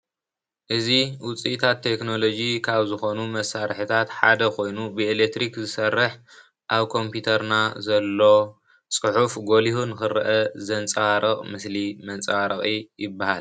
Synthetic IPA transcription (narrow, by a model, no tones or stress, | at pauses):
ʔɨziwʊt͡sʼit̪ʰat̪ʰːe̞kno̞lo̞d͡ʒikʰaβzɨxo̞numɐsaɾħit̪ʰat̪ħa̰d̪ɐkʰo̞jnubɨelek̚t̪ɾikzɨsɐrːɨħ | ʔaβkʰo̞mpʰjit̪ʰɐɾnazɐlːo̞ | t͡sʼɨħufɡo̞lihunɨxɨɾʔɐzɐnt͡sʼɐaɾʔɐqʼmɨslimɐnt͡sʼɐaɾɐχʼijɪbːahal